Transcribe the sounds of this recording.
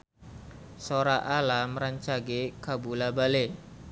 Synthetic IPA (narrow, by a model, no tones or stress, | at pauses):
soɾaʔalaməɾaɲt͡ʃaɡekabulabale